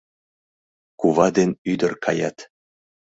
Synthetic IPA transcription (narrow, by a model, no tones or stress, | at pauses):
kuβɑd̪enʲyd̪ə̆rkʰɑ̰jɑt̪